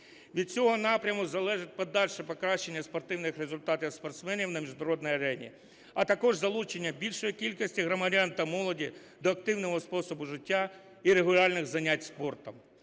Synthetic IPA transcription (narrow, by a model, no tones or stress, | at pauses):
ʋʲid̪̚t͡sʲɔɦɔnɑpɾʲɐmʊzɐlˠɛʒɪt̚ʲpɔd̪ɑlʲʃɛpɔkɾɑʃt͡ʃːe̞nʲːɐspɔrt̪ɪwnɪxrezʊlʲt̪ɑt̪ʲiwspɐrt̪smɛnʲiwnɐmʲiʒnɐɾɔd̪nɔjɐɾɛnʲḭ | ɐt̪ɐkɔʒzɐlˠut͡ʃenʲːɐbʲilʲʃɔjikʲilʲkɔsʲtʲiɦɾɔmɐɾʲant̪ɐmɔlˠɔdʲi | d̪ɔɐkt̪ɪwnɔɦɔspɔsɔbʊʒɪtʲːa | iɾeɦʊlʲɑlʲnɪɣzɐnʲatʲspɔrt̪ɐm